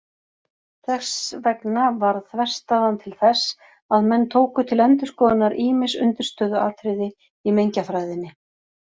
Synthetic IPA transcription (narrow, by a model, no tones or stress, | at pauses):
θɛsvɛknavaɾθvɛr̥st̪aðant̪ʰɪlθɛsː | aðmɛnːt̪ʰoːwkʏt̪ʰɪlɛnt̪ʏ̥skɔːðɪnːaɾʔiːmɪnsʏ̰nt̪ɪɾ̥st̪œːðʏaːt̪ʰɾɪðɪ | imejɲcafɾaːjðɪnːɪ